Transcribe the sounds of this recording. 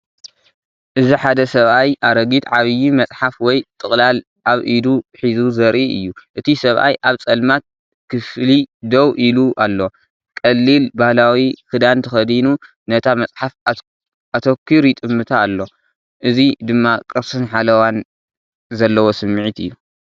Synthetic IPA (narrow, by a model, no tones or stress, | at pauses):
ʔɨziħad̪ɐsɐβʔajʔaɾɐɡit̪ʕaβɨjimɐt͡sʼħafwɔjt̪ʼɨχʼlal | ʔaβʔid̪uħizuzɐɾʔiʔɨ̰jːuʔɨt̪ʰisɐβʔa̰jʔaβt͡sʼɐlmat̪̚ | kʰɨflid̪ɐwʔiluʔalːo̞ | kʼɐlːilbahlawikɨd̪ant̪ʰɐxɐd̪inu | nɐt̪ʰamɐt͡sʼħaf | at̪ʰokʰːiɾit̪ʼɨmːɨt̪ʰaːlːo̞ | ʔɨzid̪ɨmːakʼɨɾsɨnħalɐwan | zɐlːɐwo̞sɨmːɨʕit̪ʰɨjːu